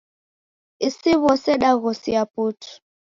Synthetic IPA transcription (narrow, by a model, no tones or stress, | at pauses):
isiβɔsɛɗaɣɔsiaputʰu̥